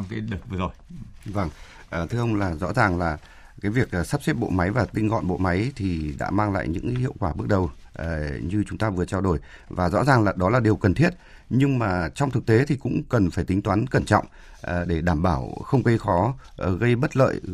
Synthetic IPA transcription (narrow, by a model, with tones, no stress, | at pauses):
ka˨˦ɗə˨˩t̚vɨ˧zo˨˩jva˧˩ŋ | ʔəː˨˩t̪ʰɨ˧əʔə˧wŋ͡mlaː˨˩zɔ̰˧˥zaː˨˩ŋlaː˨˩ | kaː˨˦jvi˨˩ək̚ʔsa˦˥p̚sɛ˦˥p̚ɓo̰˧˨ma˨˦jvaː˨˩t̪ï˧ŋ̟ɣɔ̰˧˨nɓo̰˧˨ma˨˦jt̪ʰi˨˩ɗa̰ː˧˥maː˧ŋla̰ː˧˨jɲɨ̰˧˥ŋ˨˦hḭ˧˨əwkwaː˧˩ɓɨ˦˥ək̚ɗə˨˩w | ɲɨ˧t͡ɕʊ˨˦ŋ͡mt̪aː˧vɨ˨˩ət͡ɕaː˧wɗo˧˩j | vaː˨˩zɔ̰˧˥zaː˨˩ŋlaː˨˩ɗɔ˨˦laː˨˩ɗi˨˩əwkə˨˩nt̪ʰi˦˥ət̚ | ɲɨ˧ŋmaː˨˩t͡ɕɔ˧wŋ͡mt̪ʰɨ˨˩k̚t̪e˨˦t̪ʰi˨˩kʊ̰˧˥ŋ͡mkə˨˩nfaː˧˩jt̪i˨˦ŋt̪waː˨˦nkə˧˩nt͡ɕɔ̰˧˨wŋ͡m | ʔɗe˧˩ɗaː˧˩mɓaː˧˩wxə˧wŋ͡mkə˧jxɔ˨˦˨ɣə˧jɓə˦˥t̚lə̰ː˧˨j